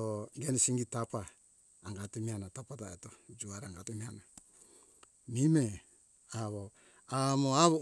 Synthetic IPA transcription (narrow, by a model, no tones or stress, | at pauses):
oɡenisiŋɡitapaː | ŋɡatumianatapataetod͡ʒuaɾaŋɡatumiana | mime | aβo | amoaβo